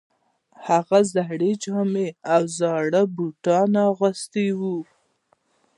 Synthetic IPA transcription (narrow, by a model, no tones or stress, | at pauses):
haɣazaɦɽed͡ʒɑmeawzɑɽabuʈɑnaɣəst̪ewu